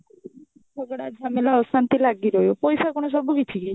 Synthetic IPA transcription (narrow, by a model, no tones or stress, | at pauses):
sɔɡɽad͡ʒʱamelaɔsant̪ilaɡiɾɔjopɔjsakoɳ̃os̬ɔbukit̪ʰike